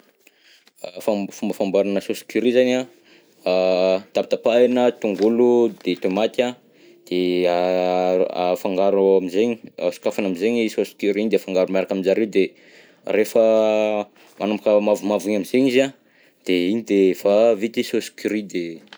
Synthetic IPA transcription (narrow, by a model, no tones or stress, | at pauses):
fafumbəfambaɾanəsosi̥kyɾizana | t̪ap̚t̪apaenət̪uŋɡulud̪et̪omat̪a | d̪̥ea | afaŋɡaɾuamizeɲi̥a̰su̥kafanamizeɲisosi̥kyɾiɲid̪efaŋɡaɾumaɾakaminzaɾewd̪e | refə | manamkəmavumavuɲamizeɲiza | d̪̥eiɲid̪efavit̪isosi̥kyɾid̪e